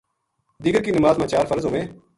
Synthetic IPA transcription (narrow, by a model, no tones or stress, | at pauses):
d̪iːɡəɾkiːnəmaːzmãːt͡ʃaːɾfəɾzõːʋẽː